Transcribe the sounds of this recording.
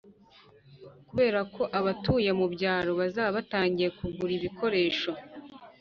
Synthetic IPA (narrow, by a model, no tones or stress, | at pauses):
kuβe̞ːɾakʰo̞ʔaβatuːjemubɟaːɾo̞βazaːβaβataːɲɟijekuɡuɾiβikʰo̞ɾe̞ːʃo̞